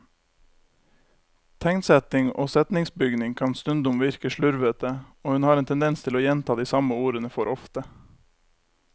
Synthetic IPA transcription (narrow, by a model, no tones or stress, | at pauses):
t̪ʰɛŋsɛt̪ɪŋo̰ːsɛt̪nɪŋsbʏɡnɪŋkʰɑnst̪ʉnd̪ʊmʋɪɾkəʃɭʉɾʋət̪əoːhʉnhɑːɾeːnt̪ʰɛnd̪ɛnst̪ʰɪloːjɛnt̪ʰɑːd̪iːsɑməuːɾənəfɔɾʔɔft̪ə